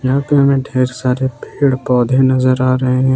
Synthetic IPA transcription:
jãːpiɦɐmẽɖʱeːɾsaːɾepeːɽpɔːd̪ʱenɐzəɾaːɾɐɦẽɦɛ̃

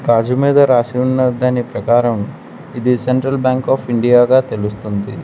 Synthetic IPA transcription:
kaːd͡ʒumiːd̪ɐɾaːsiunːɐd̪ɐːnipɾɐkaːɾɐm | id̪iseɳʈɾɐlbjaːŋkaːpʰiɳɖijaːɡaːt̪e̞lust̪und̪i

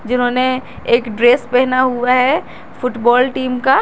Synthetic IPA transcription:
d͡ʒɪnɦõne | eːkɖɾeːspɛɦnaɦuaɦɛ | fʰʊʈbɔːlʈiːmka

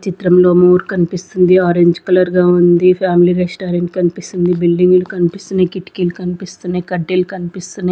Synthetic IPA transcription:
t͡ʃit̪ɾɐmloːmoːɾkɐnpist̪und̪iaːɾeɲd͡ʒkɐlɐɾɡaːund̪ipʰaːmiliɾesʈaːɾeɳʈ̚kɐnipist̪und̪ibilɖiŋɡulkɐnpist̪und̪ikiʈkilkɐnipist̪und̪ikɐɖːelkɐnpist̪une

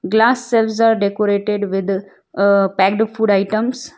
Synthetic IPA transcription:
ɡlaːsːɛlʋsaːɾɖekoɾeːʈeɖʋɪd̪ | pæːkɖfuːɖaɪʈə̃ms

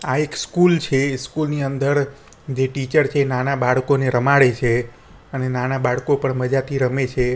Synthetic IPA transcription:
aekskult͡ʃʰeskulniənd̪əɾ | d͡ʒeʈit͡ʃəɾt͡ʃʰeːnanabaɽkoneɾəmaɽet͡ʃʰe | ənenanabaɽkopəɳməd͡ʒat̪ʰiɾəmet͡ʃʰe

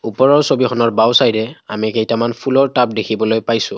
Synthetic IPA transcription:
upɔɹɔɹsobixɔnɔɹbawsajɹɛamikejtamanpʰulɔɹtap̚dekʰibɔlojpajsʊ̃

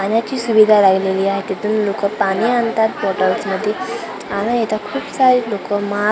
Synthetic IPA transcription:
anjat͡ɕiːsubid̪ʱalaɡʱleliːaɦet̪it̪uːnlokəpaniant̪at̪pɔʈawsməd̪ʱːje | añaet̪akʰuːbsaɾilokəma

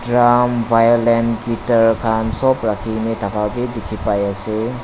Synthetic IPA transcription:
dɾamvʱajolenɡitaɾkʰansɔpɾakʰinitakʰabidikʰipajase

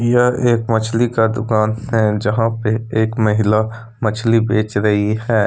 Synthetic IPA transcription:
jəɦeːkmɐt͡ʃʰlikad̪ʊkaːnɦɛd͡ʒɐɦãpeeːkmɐɦɪla | mɐt͡ʃʰlibeːt͡ʃɾɐɦihɛː

